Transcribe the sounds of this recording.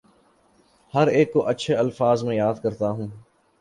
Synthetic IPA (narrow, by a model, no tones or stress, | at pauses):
həɾeːkːoʔɐtːʃʰeɐlfaːzmẽjaːd̪kəɾt̪aɦũː